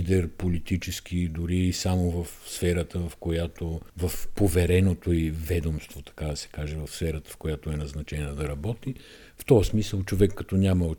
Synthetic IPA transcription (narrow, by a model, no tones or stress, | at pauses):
d̪ɛɾpolit̪it͡ʃɛsk̟ʲid̪ʊɾiːsamovəfsfɛɾət̪əvɐfkojat̪ovɐfpovɛɾɛnot̪oivɛd̪omst̪vot̪ɐ̥kad̪ɐsɛ̥kaʒɛvɐfsfɛɾət̪ə̥fkojat̪oɛnɐznɐt͡ʃɛnnɐd̪ɐɾɐbɔt̪i | ft̪ɔsmisəlˠt͡ʃovɛkːɐt̪ɔnʲaməo